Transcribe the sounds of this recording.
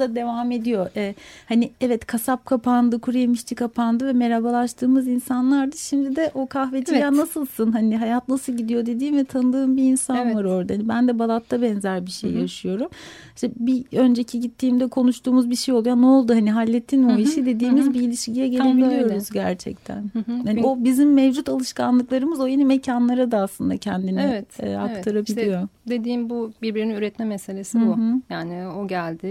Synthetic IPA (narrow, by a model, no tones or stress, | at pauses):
d̪ad̪e̞vaːme̞d̪ijo̞ʔɛːhaniɛvɛt̪kʰasap̚kʰapʰand̪ɯkʰuɾemiʃt͡ʃ̪ʰikʰapʰand̪ɯvɛme̞ɾabalˠaʃt̪ʰɯːmɯzinsanlˠaɾd̪aʃimd̪id̪ɛʔo̞kʰahved͡ʒijaːnasɯlˠsɯnɦaniɦajat̪nasɯlˠɟid̪ijo̞d̪e̞d̪iːmvɛt̪ʰanɯd̪ɯːmbiːnsanvaɾɯo̞ɾd̪ahanibænd̪ɛbalˠat̪ʰːabɛnzæɾbiʃejjaʃɯjo̞ɾum | ʃt̪ɛbiø̞nd͡ʒe̞cʰiɟit̪ʰːiːmd̪ɛkʰo̞nuʃt̪ʰuːmuzbiʃejolˠujanɛo̞lˠd̪uɦaniɦalʲːet̪ʰːinmuiʃid̪e̞d̪iːmizbiːlʲiʃɟijɛɟelʲebilʲijo̞ɾuzɟæɾt͡ʃʰɛ̰c̚t̪ʰæ̰nhano̞bizimːevd͡ʒut̪alˠɯʃkanlˠɯklˠaɾɯmɯzo̞je̞nimecʰanlˠaɾad̪aːslˠɯnd̪acʰɛnd̪inɛɛt̪ːakt̪ʰaɾabilʲijo̞d̪ed̪iːmbubiɾbiɾininyɾɛt̪mɛmese̞lʲe̞sibujaːnio̞ɟælʲd̪ɪ